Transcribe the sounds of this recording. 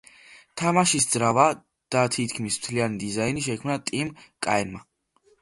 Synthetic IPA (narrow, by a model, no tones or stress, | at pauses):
t̪ʰamaʃisd̪zɾava | d̪̥at̪ʰit̪ʰkʰmismt̪ʰlianid̪izainiʃɛkʰmnat̪ʼimkʼaɛnma